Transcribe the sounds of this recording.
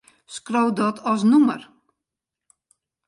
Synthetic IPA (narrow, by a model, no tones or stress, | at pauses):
skrowdɔtʰɔsnumə̰r